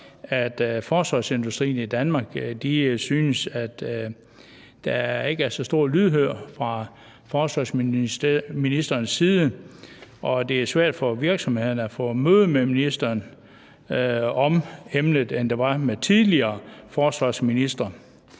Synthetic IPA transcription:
æd̥fɒːsʋɑ̈se̝nd̥usd̥ʁḭːn̩id̥ænmɑ̈ːɡ̥d̥isyːnəsæd̥ | d̥ɑ̈e̝ɡ̥əæɐsɒ̽sd̥o̝ɐ̰lyð̞ˠɦøɐ̰fʁɑ̈ | fɒːsʋɑ̈sm | minisd̥ɐːnsiːð̞ˠə | ʔɒ̽d̥e̝æsʋæɐ̰d̥fɒʋiɐɡ̥sɒ̽mhe̝ð̰ˠɐn̩æfɔ̰̽ːmøːð̞ˠəmeminisd̥ɐːn | ɒ̽memnəðˠend̥e̝ʋɑ̈met͡sʰiðˠliɐːfɒːsʋɑ̈ːsminisd̥ʁɐ

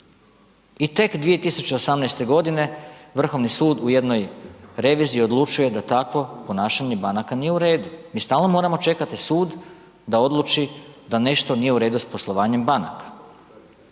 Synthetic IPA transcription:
it̪e̞kd̪ʋije̞t̪isut͡ɕe̞osamnɛjst̪e̞ɡo̞d̪ine̞ʋr̩xo̞ʋnisuːd̪uje̞d̪no̞jɾe̞ʋiziːo̞d̪lˠut͡ʃuje̞d̪at̪akʋo̞po̞naːʃaɲe̞banakanijeuɾe̞ːd̪umiːst̪aːlˠno̞mo̞ːɾamo̞t͡ʃe̞kat̪isuːd̪ | d̪ao̞d̪lˠut͡ʃid̪ane̞ʃt̪o̞nije̞uɾe̞ːd̪uspo̞slˠo̞ʋaːɲe̞mbana̰kḁ

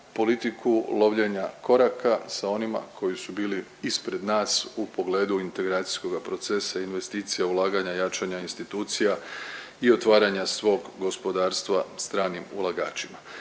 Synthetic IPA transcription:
po̞lit̪ikʰulo̞ʋʎe̞ɲako̞ɾakʰasao̞nima̰kʰo̞jisubiːli | ispɾe̞d̪naːsupo̞ɡle̞ːd̪uint̪e̞ɡɾaːt̪si̥sko̞ɡapɾo̞t̪se̞sainʋe̞st̪iːt̪sijaulˠaːɡaɲajat͡ʃaɲainst̪it̪uːt̪sija | io̞t̪ʋaːɾaɲasʋo̞ːɡɡo̞spo̞d̪aːɾst̪ʋast̪ɾaːnimṵlˠaɡaːt͡ʃima

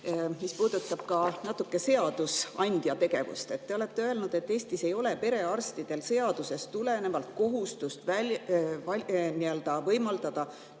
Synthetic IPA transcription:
mispuːd̪ut̪ːˑɑb̥̚kɑnɑt̪ːˑukːe̞se̞ɑd̪̥usɑnʲd̪̥jɑt̪e̞ɡ̥e̞vṵst̪e̞t̪ːe̞o̞le̞t̪ːeø̞e̞lnud̪̥e̞t̪ːeːst̪ise̞jo̞le̞pe̞ɾe̞ɑrst̪id̪̥e̞lse̞ɑd̪̥use̞st̪ule̞ne̞vɑlt̪̚ko̞ɦust̪ust̪vævɑnield̪̥ɑvɤjmɑld̪̥ɑd̪̥ɑ

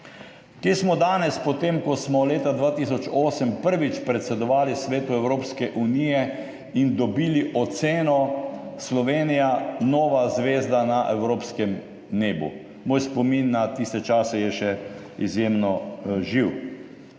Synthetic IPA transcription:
kjesmɔd̪aːnɛspɔt̪emkɔsmɔleːt̪ad̪ʋaːt̪is̬ɔt͡ʃoːsəmpəɾʋit͡ʃpɾɛt̪sɛd̪ɔʋaːlisʋeːt̪uɛwɾoːpskɛʔunijɛ | ind̪ɔbiːliʔɔt̪seːnɔslɔʋeːnijanoːʋazʋeːzd̪anaʔɛwɾoːpskɛm | neːbṵ | moːjspɔminːat̪ist̪ɛt͡ʃaːsɛjɛʃɛ | izjeːmnɔʒiw

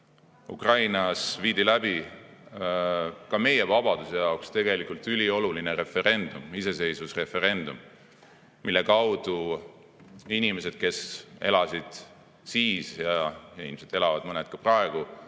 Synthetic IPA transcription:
ṵkrɑjnɑsviːd̪ilæbi | kɑme̞je̞vɑb̥ɑd̪use̞jɑokst̪e̞ɡe̞likːˑult̪ːˑylio̞luline̞ɾe̞fe̞ɾe̞nd̪̥umise̞se̞jsvusre̞fe̞ɾe̞nd̪̥um | milːe̞kɑwd̪̥u | inimese̞d̪̥̚ke̞sʔe̞̰lɑsid̪̥ | siːsjɑilimiset̪ːe̞lɑvɑd̪mɤned̪̚kɑprɑe̞ɡ̥u

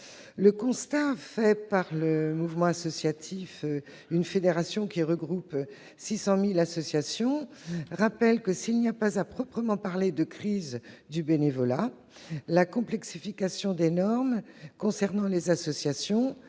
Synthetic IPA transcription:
ləkɔ̃st̪afɛpaʁləmuvmɑ̃asɔsjat̪ʰif | ynfed̪eʁasjɔ̃kʲiʁəɡʁup | sisɑ̃milasɔsjasjɔ̃ʁapɛlkəsilniapazapχɔpχəmɑ̃paʁled̪əkχizd̪ybenevɔla | lakɔ̃plɛksifikasjɔ̃d̪enɔʁmkɔ̃sɛʁnɑ̃lezasɔsjasjɔ̃

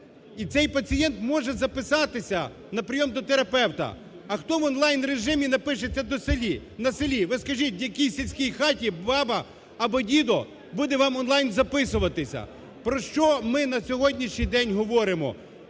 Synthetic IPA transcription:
it̪sɛjpɐt͡sʲijɛnt̪mɔʒɛzɐpɪsɑt̪ɪsʲɐ | nɐpɾɪjɔmd̪ɔt̪eɾɐpɛwt̪ɐ̰ | ɐxt̪ɔʋɔnlˠɑjnɾeʒɪmʲinɐpɪʃet͡sʲːɐd̪ɔselʲinɐselʲiʋɪskɐʒit̚ʲdjɐkʲijsʲilʲsʲkʲijxɑtʲibɑbɐː | bɔdʲid̪ɔ | bud̪ɛʋɑmɔnlˠɑjnzɐpɪsʊʋɐt̪ɪsʲɐ̰ | pɾɔʃt͡ʃɔmɪnɐsʲɔɦɔdʲnʲiʃɲʲijd̪ɛnʲɦɔʋɔɾɪmɔ̰

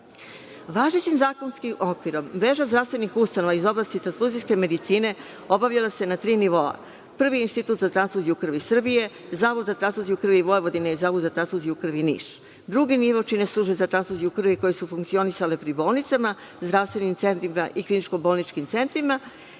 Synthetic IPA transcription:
ʋaːʒet͡ɕimzaːko̞nskiʔokʋiɾomːɾe̞ʒazd̪ɾafst̪ʋe̞nixust̪ano̞ʋaizo̞blˠast̪it̪ɾansluzijske̞me̞d̪it̪siːne̞ | o̞baʋʎalase̞nat̪ɾiːniʋo̞a̰ | pr̩ʋiinst̪it̪uːt̪zat̪ɾanslˠuzijukr̩ʋisr̩bije̞ | zaːʋod̪zat̪ɾansuzijukr̩ʋiʋo̞eʋo̞d̪ineizaːʋod̪zat̪ɾansˠuzijukr̩ʋinḭːʃ | d̪ɾuɡiniʋo̞t͡ʃine̞slˠuːʒbezat̪ɾanslˠuzijukr̩ʋiko̞je̞sufuŋktsio̞nisale̞pɾibo̞ːlˠnit̪sama | zd̪ɾaʋst̪ʋe̞nimt̪se̞nt̪ɾimaʔiklinit͡ʃko̞bo̞lˠnit͡ʃkimt̪se̞nt̪ɾima

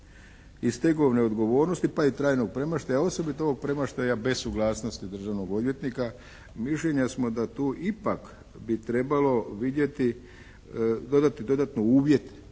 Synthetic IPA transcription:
ist̪e̞ɡoʋneo̞d̪ɡo̞ʋo̞ːɾnost̪ipait̪ɾaːjnoɡ̚pɾe̞maʃt̪ajao̞so̞bit̪ao̞ʋo̞ɡ̚pɾe̞maʃt̪ajabe̞sːuɡlˠaːsno̞st̪id̪r̩ʒaʋnoɡo̞d̪ʋje̞t̪nika | miʃʎe̞ɲasmo̞d̪at̪uːʔipak | bit̪ɾe̞balo̞ʋid̪je̞t̪i | d̪o̞d̪at̪id̪o̞d̪at̪nouːʋje̞t̪

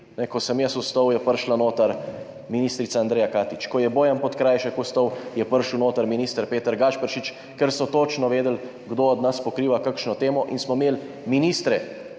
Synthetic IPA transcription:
nɛkɔsəmjɛsust̪ɔwjɛpəɾʃlanoːt̪aɾ | miniːst̪ɾit̪saːnd̪ɾɛːjakaːt̪it͡ʃkɔjɛboːjampɔt̪kɾaːjʃɛkust̪ɔwjɛpəɾʃəwnoːt̪aɾminiːst̪əɾpeːt̪əɾɡaʃpəɾʃit͡ʃ | kɛɾsɔt̪oːt͡ʃnɔʋeːd̪əl | ɡd̪oːd̪naspɔkɾiːʋakakʃnɔt̪eːmɔʔinsmɔmeːl | miniːst̪ɾɛ

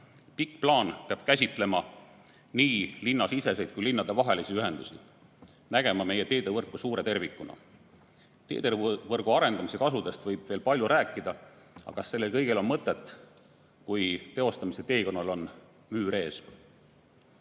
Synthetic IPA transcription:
pikːplɑːnpeɑb̥̚kæsʲit̪ːˑle̞mɑ | niːlinːɑsise̞se̞jd̪̥kujlinːɑd̪̥e̞vɑɦelisiyɦe̞nd̪usi | næɡ̥e̞mɑme̞je̞t̪e̞ːd̪evɤrkːusuːɾe̞t̪e̞rvikːˑunɑ̰ | t̪e̞̰ːd̪̥evɤrɡ̥uɑɾe̞nd̪̥ɑmise̞kɑsud̪e̞st̪vɤjb̥ve̞ːlpɑlʲjuɾʔæːkːˑid̪̥ɑ | ɑ̰kɑsːe̞lːe̞lkɤjɡ̥e̞lo̞nmɤt̪ːˑet̪ːˑ | kujt̪e̞o̞st̪ɑmise̞t̪e̞ːko̞nːɑlo̞n | myːɾe̞ːs

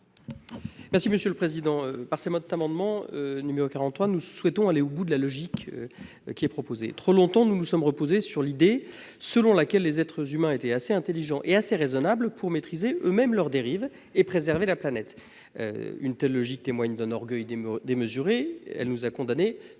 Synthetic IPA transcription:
mɛʁsiməsjøləpχezid̪ɑ̃øpaʁsemɔd̪̚t̪amɑ̃d̪mɑ̃ønymeʁokaʁɑ̃t̪t̪ːχwanuswɛt̪ɔ̃aleobud̪əlalɔʒikø | kʲiɛpχɔpozḛt̪χolɔ̃t̪ɑ̃nunusɔmʁəpozesyʁlid̪e | səlɔ̃lakʲɛlːezɛt̪χəzymɛ̃et̪ɛaseɛ̃t̪eliʒɑ̃ʔeaseʁezɔnablpʰuʁmet̪χizeʔømɛmlœʁd̪eʁiv | epχezɛʁvelaplanɛt̪ | ø̰y̰nt̪ɛlːɔʒik̚t̪emwaɲd̪ɛ̃nɔʁɡœjd̪d̪eməzyʁeɛ̰lnuzakɔ̃d̪ane

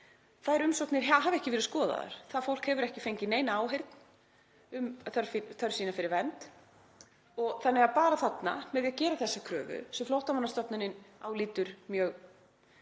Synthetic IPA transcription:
θaðɛɾʏmsɔk̪nɪɾ̥ɦaɦavɛhcɪvɛːɾʏðskɔːða̰ða̰ɾ̥θaðfowl̥khɛvʏɾɛhcɪfejɲcɪneːjnaaːwɦejɾt̪n | ʏmθœɾfθœɾsiːnafɪɾɪɾvɛnt̪ | ɔɣθanːɛɣapaːɾaθat̪na̰mɛðjaðcɛːɾaθɛsːakʰɾœ̰ːvʏ̰sɛmflowht̪amanːast̪œpnanɪna̰ːwliːt̪ʏɾ̥mjœːɣ

